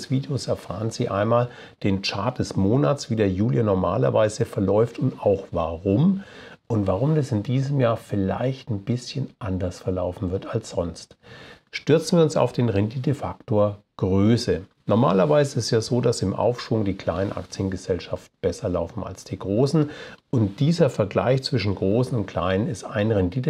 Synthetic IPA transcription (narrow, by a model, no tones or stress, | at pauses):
sv̥iːdejoːsɛɐfa̰ːʁənziːʔa̰ɪnmaːl | d̥eːnt͡ʃaɐt̚d̥ɛsmoːnat͡sv̥iːdeːɐjuːljanɔɐma̰ːlɐ̰vaɪzəfɛɐlɔʏftʊntaʊxvaʁʊm | ʔʊntv̥aʁ̞ʊmdasɪndiːzəmjaːɐfɪla̰ɪçtn̩b̥ɪsçənʔandɐsfɛɐlaʊfn̩vɪɐtalsz̥ɔnst | ʃtʏɐt͡sn̩viːɐʊnsa̰ʊfd̥eːnʁɛnditəfaktoːɐɡ̥ʁøːsə | nɔɐma̰ːlɐvaɪzəɪstjaːzoːdasɪmʔa̰ʊfʃv̥ʊŋdiːkʰl̥aɪnənʔa̰kt͡sjənɡəzɛlʃaftn̩b̥ɛsɐlaʊfn̩a̰lsd̥iːɡʁoːsn̩ʔʊntd̥iːzɐfɛɐɡla̰ɪçt͡sv̥ɪʃn̩ɡʁoːsn̩ʊnt̚kʰl̥a̰ɪnənɪsta̰ɪnʁɛndiːtə